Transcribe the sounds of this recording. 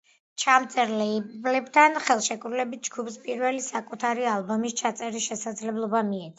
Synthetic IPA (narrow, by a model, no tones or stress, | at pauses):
t͡ʃʰamt̪sʼɛɾlɛiblɛbt̪ʰanχɛlˠʃɛkʼɾulɛbit̪̚ʰd͡ʒɡupspʼiɾvɛlisakʼut̪ʰaɾialˠbɔmist͡ʃʰat̪sʼɛɾiʃɛsad̪zlɛblˠɔbamiɛt̪ʰʼ